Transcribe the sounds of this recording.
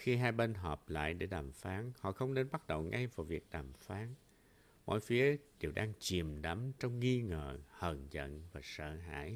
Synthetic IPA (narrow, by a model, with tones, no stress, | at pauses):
xi˧ɦaː˧jɓe˧nɦɔː˨˩p̚la̰ː˧˨jɗe˧˩ɗaː˨˩mfaː˨˦nhɔ̰˧˨xə˧wŋ͡mne˧nɓa˦˥t̚ɗə̰˧˨wŋa˧jvaː˨˩vi˨˩ək̚ɗaː˨˩mfaː˨˦n | mɔ̰˧˨jfi˨˦əɗi˨˩əwɗaː˧ŋt͡ɕi˨˩əmɗa˨˦mt͡ɕɔ˧wŋ͡mːi˧ŋəː˧˨˩hə˨˩nzə̰˧˨nvaː˨˩sə̰ː˧˨ɦa̰ː˧˥˨j